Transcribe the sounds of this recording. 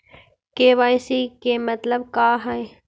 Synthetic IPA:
keːʋaːjsikemɐt̪ləbkaːɦɛj

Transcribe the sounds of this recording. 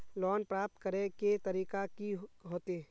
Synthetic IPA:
lɔːnpɾaːp̚t̪kəɾeket̪ɐɾiːkakiɦoːt̪e

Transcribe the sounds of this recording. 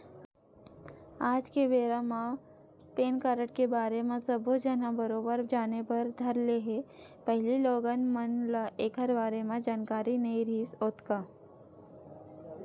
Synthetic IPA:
aːd͡ʒkeʋeːɾamã | peːnkaːɾəʈkebaːɾemẽsəbʱod͡ʒɐnabəɾoːbəɾd͡ʒaːnepɐɾd̪ʱɐɾleɦe | pəɦɪliloːɡənmənlaʔeːkəɾbaːɾemẽd͡ʒaːnkaːɾinɐiɾiːsoːt̪kaː

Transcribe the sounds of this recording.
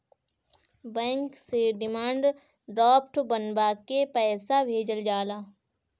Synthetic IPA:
bɛ̃ːŋkseɖɪmãːɳɖ | ɖɾɔːp̚ʈbənbakepɛːsabʱeːd͡ʒəld͡ʒaːlaː

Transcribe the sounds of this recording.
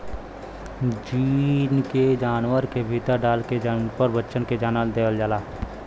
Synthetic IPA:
d͡ʒiːnked͡ʒaːnwəɾkebʱiːt̪əɾɖaːlked͡ʒpəɾbəːʃənked͡ʒaːnald̪eːəld͡ʒaːlaː

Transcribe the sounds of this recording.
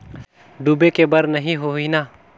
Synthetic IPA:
ɖuːbekebɐɾnɐɦĩɦoɦinaː

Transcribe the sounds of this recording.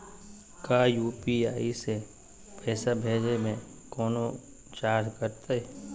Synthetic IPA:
kaːjuːpiaːise | pʰɛːsabʱeːd͡ʒemẽ | kɔːno | t͡ʃaːɾkəɾt̪aɛ

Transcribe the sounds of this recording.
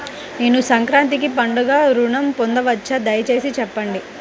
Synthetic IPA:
ne̞ːnusɐŋkɾaːnt̪̬ik̬ipɐɳɖɐɡaːɾuɳɐmpond̪ɐʋɐt͡ʃːɐd̪ɐjɐt͡ʃe̞ːsit͡ʃɛpːɐɳɖi

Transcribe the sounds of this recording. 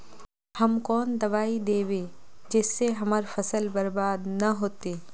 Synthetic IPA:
hɐmkɔːnd̪ɐʋaːid̪eːʋeːd͡ʒɪsːeɦɐmaɾfɐsəlbɐɾbaːd̪nɐɦoːt̪eː

